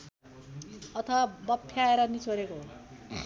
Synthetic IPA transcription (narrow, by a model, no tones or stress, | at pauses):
ʌt̪ʰʌwabʌpʰːjaeɾʌnit͡sʰoɾekoo